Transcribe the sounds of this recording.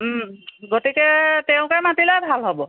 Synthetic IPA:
ɡotikɛtɛʊ̃kaɹmatilabʱalɦɔbɔ

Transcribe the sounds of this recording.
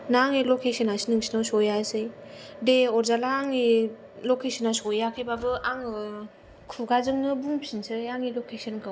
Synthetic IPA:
naŋilokʰesənasinɯŋsinawsɔjasɯjdeɔɾzalaːŋi | lokesənasɔjakʰɯbabɯaŋɯ | kʰuɡazɯŋnɯbuŋpʰinsɯjaŋilokʰesənkɯw

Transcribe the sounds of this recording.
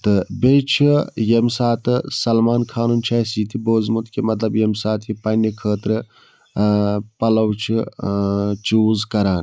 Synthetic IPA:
t̪ɨbejt͡ʃʰijemsaːt̪ɨsɐlmaːnkʰaːnunt͡ʃʰaːsiːt̪ʰiboːzmut̪kimɐt̪lɐbjemsaːt̪jipɐnːikʰəːt̪ɾɨ | pɐlɐwt͡ʃʰi | t͡ʃuːzkɐɾaːn

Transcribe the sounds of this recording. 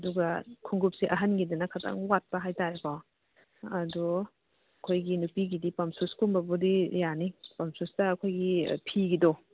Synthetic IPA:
ɐduɡɐkʰuŋɡup̚siʔɐɦɐnɡidinɐkʰatʰa̰ŋwat̚pɐɦajtaɾipaw | ɐdɔ | kʰojɡinupiɡidipɐmsuskumbɐbudijanipɐmsustɐːkʰojɡḭpʰiɡidɔ

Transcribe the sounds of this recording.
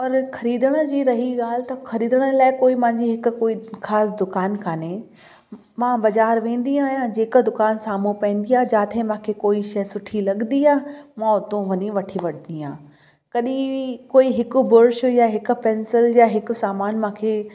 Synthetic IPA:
pɐɾxɐɾiːd̪əɽ̃ə̆d͡ʑiːɾɐɦiɠaːlɪt̪ɐxʰɐɾiːd̪əɽ̃əlaːɪkoːimãɦɲd͡ʑiɦɪk̆koːixaːsd̪ʊkaːnkʰaːne | mãbɐzaːɾʋẽːn̆d̪iaːɦijãd͡ʑeːkəd̪ʊkaːnsaːmupẽːnd̪iaːɦd͡ʑaːt̪ʰẽmãːkʰeːkoːiʃɐsʊʈʰilɐɠnd̪iaːɦmãʊt̪õʋɐniʋɐʈʰiʋɐɗniaː | kɐɗĩkoːiɦɪkʊbʊɾʃʊjaɦɪkʊ̆pɛ̃ːnsɪljaɦɪkʊ̆saːmaːnmãːkʰeː

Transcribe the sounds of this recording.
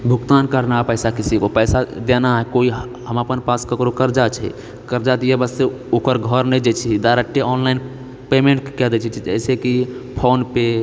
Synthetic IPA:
bʱukt̪ankəɾnapəɪsakisikopəjsad̪enaɦɛkoiɦ | ɦəməpənpaskəkɾokəɾd͡ʒat͡ʃʰɛ̰ | kəɾd͡ʒat̪jebəse | okəɾɡʱəɾned͡ʒet͡ʃʰid̪aɾəʈːeɔnlain | pemẽɳʈkɛd̪ɛt͡ʃʰit͡ʃʰid͡ʒə̰jsekipʰonpe

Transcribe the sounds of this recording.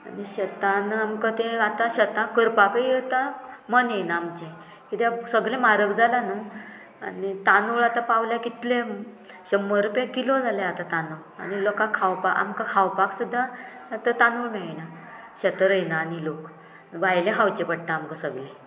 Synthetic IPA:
a̰niɕət̪anamkət̪ẽat̪aɕət̪ãkəɾpakəijət̪amənenaːmt͡ɕe | kit̪esəɡlẽmaɾəkd͡zalanu | a̰nit̪anuɭat̪ãpawljakit̪le | ɕəmːəɾupjakilod͡zaleat̪at̪anu | a̰ñilɔkãkʰawpaka̰mkakʰawpaksud̪ʱːa | at̪ət̪anuɭmɛɭina | ɕət̪əɾəjnaːnilok | ʋajlẽɦawt͡ɕepəɽ̚ʈ̪aamkasəɡlẽ

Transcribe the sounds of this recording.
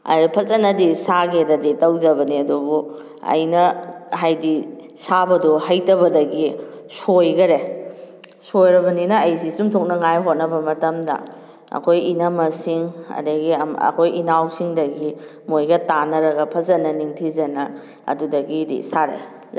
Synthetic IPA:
ɐ̰pʰɐzɐnːɐdisaɡedɐditɐwzɐβɐniɐdubu | ɐ̰jnɐɦajdisabɐduɦɐjtɐβɐdɐɡi | sojɡɐɾe | sojɾɐbɐninɐːjs̬isumtʰok̚nɐŋajɦot̚nɐbɐmɐtɐmdɐ̰ | ɐ̰kʰojinɐmɐsiŋɐ̰dɐɡiɐmɐ̰kʰojinawsiŋdɐɡi | mojɡɐtanɐɾɐɡɐpʰɐzɐnːɐniŋtʰizɐnɐ | ɐ̰dudɐɡidḭsaɾḛ

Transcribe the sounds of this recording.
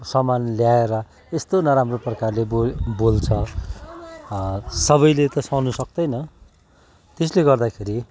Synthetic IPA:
sʌmanljaeɾʌ | est̪onʌɾamroprʌkarlebobolt͡sʰʌ | sʌβʌjlet̪ʌsʌwnusʌk̚d̪ʌjnʌ | t̪es̬leɡʌrd̪akʰeɾi

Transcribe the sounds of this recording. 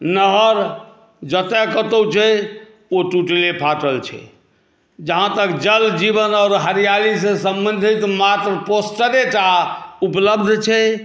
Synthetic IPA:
nəɦəɾ | d͡ʒət̪ekət̪əwt͡ʃʰɛ | oʈuʈlepʰaʈəlt͡ʃʰɛ̰ | d͡ʒəɦãt̪əkd͡ʒəld͡ʒibənɔːɾɦəɾijalisẽsəmbənd̪ʱit̪mat̪ɾəposʈəɾeʈaupləb̚d̪ʱt͡ʃʰɛ

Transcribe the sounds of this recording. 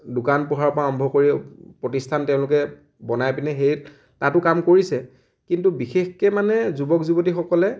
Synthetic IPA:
dʊkanpuɦaɹpɔaɔmbʱɔkoɹipɹɔtistʰantɛʊ̃lʊk̬ɛ | bɔnajpinɛxeɹ | tatʊkamkoɹisɛ | kintubixexkɛmanɛzubɔkzubotixɔkɔlɛ

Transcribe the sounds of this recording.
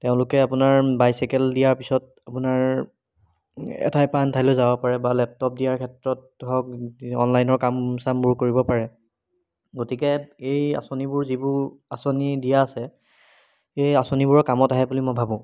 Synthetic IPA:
teʊ̃lʊkɛapʊnaɹbajsikɛldijaɹpisɔt̚ | apʊnaɹ | ɛ̰tʰajpantʰalʊzabɔpaɹɛbalɛp̚tɔp̚dijaɹkʰɛtɹɔt̚ | ɦɔk̚ɔ̰nlajnɔɹkamsambuɹkoɹibɔpaɹɛ | ɡotikɛeja̰sonibʊɹzibʊɹ | asonidijaːsɛ | ejasonibʊɹɔkamɔtaɦɛbulimɔjbʱabʊ̃

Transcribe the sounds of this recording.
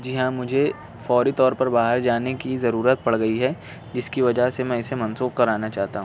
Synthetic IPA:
d͡ʒɪɦãmʊd͡ʒʱe | fɔːɾit̪ɔːɾpɐɾbaːɦəɾd͡ʒaːnekizɐɾuːɾət̪̚pɐɽɡɐiɦɛ | d͡ʒɪskiʋɐd͡ʒasemɛ̃ɪsemɐ̃nsuːxkɐɾaːnat͡ʃaːɦt̪aɦũː

